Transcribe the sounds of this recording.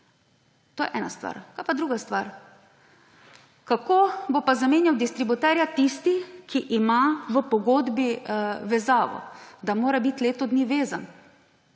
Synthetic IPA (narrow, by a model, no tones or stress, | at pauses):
t̪oːjɛ̰ʔɛːnast̪ʋa̰ɾkajpad̪ɾuːɡast̪ʋaɾ | kakoːbopazameːnjawd̪ist̪ɾibut̪ɛːɾjat̪ist̪ikʰiʔimaʋəpɔɡoːd̪biʋɛzaːʋɔ̰d̪amoːɾabit̪leːt̪ɔd̪niʋeːzan